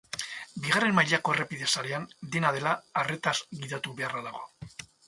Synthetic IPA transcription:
biɣare̞mːajʎako̞erepiðe̞saɾe̞and̪e̞naðe̞laːre̞t̪azɣiðat̪uβe̞araðaɣo

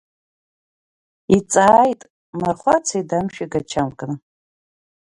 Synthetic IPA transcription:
it͡sʼaːjtʼ | marχʷat͡sʰaidamʃᶣiɡat͡ʃʰamkʼɨn

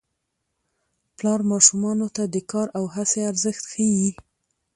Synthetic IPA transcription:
plɑɾmɑʃumɑnot̪ad̪əkɑɾawɦaseaɾzəxt̪xəji

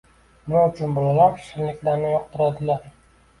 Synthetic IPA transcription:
nɪaʊt͡ʃʰʊnbolalapʃɪɾlɪkʲlaɾnɪjɒq̚t̪ʰʊɾad̪ɪlaɾ

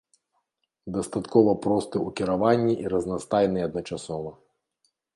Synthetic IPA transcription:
d̪ɐst̪at̪kɔvɐpɾɔst̪ɨukʲiɾavanʲːiʔiɾɐznast̪ajnɨɐd̪nɐt͡ʂasɔvɐ

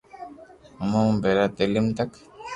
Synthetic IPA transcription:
mobeɾat̪elimt̪ak

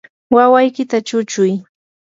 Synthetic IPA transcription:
wawajkɪt̪at͡ʃʊt͡ʃʊj

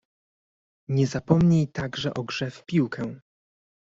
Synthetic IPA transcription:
ɲɛzapɔmɲejt̪aɡʐɛʔɔɡʐɛfpʲiwkʰɛ̃

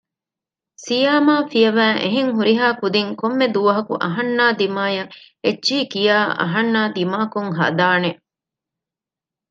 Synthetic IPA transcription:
sijaːmaːfijɐʋæːŋʔeɦeŋɦuɾiɦaːkud̪iŋkomːed̪uʋɐɦɐkṵʔɐ̰ɦɐnːaːd̪imaːjɐ | etːʃiːkijaːʔɐ̰ɦɐnːaːd̪imaːkuŋɦɐ̰d̪aːne

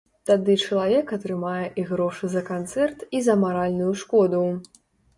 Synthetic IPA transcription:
t̪ad̪ɨt͡ʂɐlˠavʲɛkɐt̪ɾɨmajɛʔiɣɾɔʂɨzɐkant̪sɛrt̪izɐmaɾalʲnujuʂkɔd̪uw

